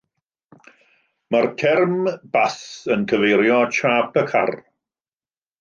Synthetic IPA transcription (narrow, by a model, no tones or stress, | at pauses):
markʰɛrmb̥asənkʰəvejɾjɔt͡ʃʰaːpʰəkʰa̰r